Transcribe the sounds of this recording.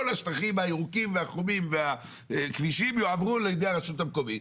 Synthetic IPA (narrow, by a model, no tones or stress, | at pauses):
olaʃtaχimaiʁukimveaχomimvea | kviʃimjoavʁulejd̪ejaʁaʃutamko̞mit